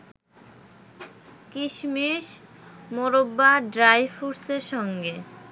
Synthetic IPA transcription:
kiʃmiʃ | moɾobːaɖɾajfuɾseɾʃɔŋɡe

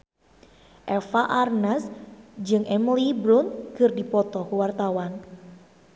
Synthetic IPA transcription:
ʔɛfaʔarnasd͡ʒɨŋʔɛmlibɾunkɨrdipɔt̪ɔkuwart̪awan

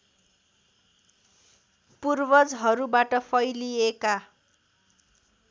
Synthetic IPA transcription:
purbʌd͡zɦʌɾubaʈʌpʰʌjlieka

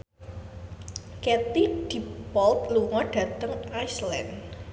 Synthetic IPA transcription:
kɛt̪iɖ̥ipɔlt̪̚luŋɔɖ̥ä̤t̪əŋajslɛ̰n

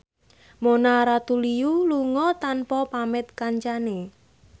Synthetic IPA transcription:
monaɾat̪ulijuluŋɔt̪anpɔpamɪt̪̚kaɲt͡ʃane

